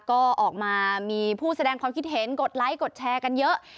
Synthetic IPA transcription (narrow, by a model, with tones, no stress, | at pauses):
kɔː˥˩ʔɔː˨˩k̚maː˧miː˧pʰuː˥˩sa˧dɛː˧ŋkʰwaː˧mkʰi˦˥t̪̚ɦe˩˦nko˨˩t̪̚la˦˥jko˨˩t̪̚t͡ɕʰɛː˧ka˧njɤ˦˥ʔ